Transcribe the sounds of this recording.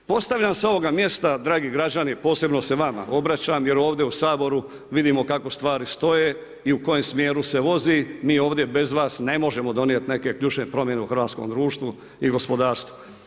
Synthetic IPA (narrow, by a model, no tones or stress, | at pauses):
po̞st̪aʋʎʲamsao̞ʋo̞ɡamje̞st̪ad̪ɾaːɡiɡɾad͡ʑanipo̞ːse̞bno̞seʋama̰ʔo̞bɾat͡ɕamje̞ɾo̞ːʋd̪jeusaːbo̞ɾu | ʋid̪imo̞kako̞st̪ʋaːɾist̪o̞je | iuko̞je̞msmjeːɾuse̞ʋo̞zimiːoːʋd̪je̞be̞zʋaːsne̞moʒe̞mo̞d̪o̞njet̪ne̞ke̞kʎuːt͡ʃnepɾo̞mje̞neuxɾʋaːt̪sko̰md̪ɾuːʃt̪ʋu | iɡo̞spo̞d̪aːɾst̪ʋu̥